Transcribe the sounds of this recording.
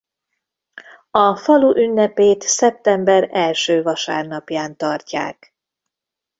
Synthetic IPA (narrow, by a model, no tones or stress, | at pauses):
ɒfɒluʔynːɛpeːt̪sɛp̚t̪ɛmbɛɾɛlʃøːvɒʃa̰ːrnɒpjaːnt̪ɒrca̰ːk